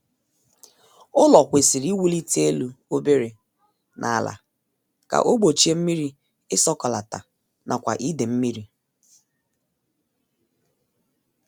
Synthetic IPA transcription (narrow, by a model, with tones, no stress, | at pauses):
ʊ˦lɔ˨kʷe˨si˨ɾi˦wu˦li˦te˦lu˨o˦be˦ɾe˨ | nʔa̰˨a˨la̰˨ | ka̰˨ʔo˦ɡ͡bo˨t͡ʃi˦e˦m̩˦mi˦ɾi˦ | ɪ˦sɔ˦kɔ˨la˨ta˨ | nʔa˨kʷa̰˨ʔi˦de˨m̩˦mi˦ɾi˦